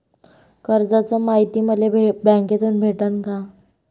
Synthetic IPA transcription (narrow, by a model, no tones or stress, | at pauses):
kəɾd͡zat͡səmaɦit̪iməd̪ʱleebɛ̃ŋket̪uːnbʱeʈənka